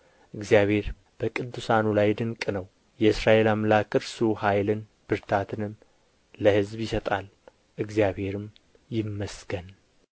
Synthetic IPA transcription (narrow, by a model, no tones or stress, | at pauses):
ʔɨɡzijaβhe̞ɾ | b̥əkʼɨd̪ːusanulajd̪ɨŋkʼɨnəw | jɛɨsɾaʔe̞lamlakʼɨɾsuhajlɨn | b̥ɨɾt̪ʰat̪ʰɨnɨmː | əhɨzbjɪsət̪ʼal | ʔɨɡzijaβhe̞ɾɨm | jɪmːəsɡ̥ən